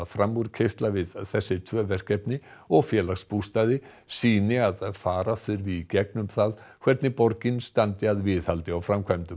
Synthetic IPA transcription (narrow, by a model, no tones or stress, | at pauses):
afɾamuɾcʰejst̪lavɪðθɛsːɪt̪ʰvœːvɛr̥kɛpnɪɔɣfjɛːlaxspust̪aːðɪ | siːnɪaðfaːɾaθʏɾvicɛk̚nʏmθaðkʰvɛɾt̪nɪpɔɾcɪnst̪ant̪ɪaðvɪːθhalt̪ɪawfɾamkʰajmt̪ʏm